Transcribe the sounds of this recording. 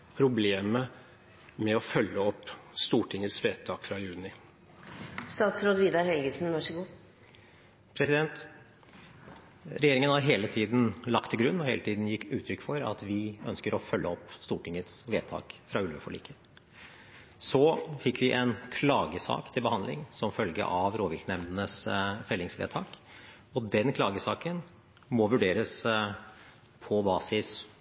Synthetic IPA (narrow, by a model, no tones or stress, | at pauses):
pʰɾʊbleːmə | mɛɔfœlːəɔpːst̪uːʈʰɪŋːət̪sʋeːt̪ʰɑːkfɾɑjʉːnɪ | st̪ɑːt̪sɾoːd̪ʋiːd̪ɑɾhɛlɡəsn̩nɔʂɪɡuː | pʰɾɛsɪd̪ɛnt̪ | ɾɛjeːɾɪŋənhɑɾɦeːlət̪ʰiːd̪n̩lɑkt̪ʰːɪlɡɾʉnːɔheːlət̪ʰiːd̪n̩jɪkːʉːt̪ʰɾʏkːfɔɾɑ̰t̪ʋɪœnskəɾɔfœlːʔəɔpːst̪uːʈɪŋət̪sʋeːt̪ʰɑ̰ːkfɾɑʉlʋəfɔɭḭːkʰə | sɔfɪkːʋɪʔɛnkʰlɑːɡəsɑ̰ːkt̪ʰɪlbəhɑnd̪lɪ̰ŋsɔmfœlɡə̰ʔɑʋɾoːʋɪlknɛmnənəsfɛlːɪŋsʋḛːt̪ʰɑːk | ɔd̪ɛnkʰlɑːɡəsɑːkən | mɔʋʉɖeːɾəs | pʰɔbɑːsɪs